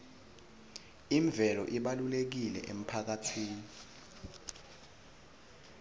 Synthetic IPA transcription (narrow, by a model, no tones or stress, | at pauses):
iɱb̪vʱɛlɔ̰ʔiɓalulek̬ilɛ̰ʔem̩pʰak̬atʰiːni